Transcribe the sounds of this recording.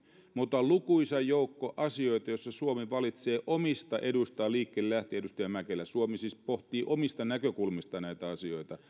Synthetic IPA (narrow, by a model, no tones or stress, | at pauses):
mut̪ɑlukuisæjoukːoʔɑsio̞it̪ɑjosːɑsuomiʋɑlit̪se̞ːʔomist̪ɑʔedust̪ɑːliːkːellæht̪eedust̪ɑjæmækelæsuomisiːspoht̪iːʔomist̪ɑnækøkulmist̪ɑnæit̪æɑsio̞it̪ɑ